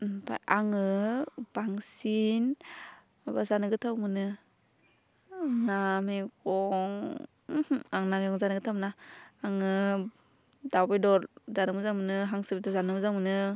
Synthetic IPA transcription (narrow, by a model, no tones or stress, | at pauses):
pa̰jaŋɯb̥aŋsin | bazanɯɡɯtʰawmɯnɯ | namikʰɔŋ | aŋnamikʰɔŋzanɯɡɯtʰawmnaːŋɯ | dawbejdɔɾzanɯmɯzaŋmɯnɯɦaŋsɯbitazanɯmɯzaŋmɯnɯ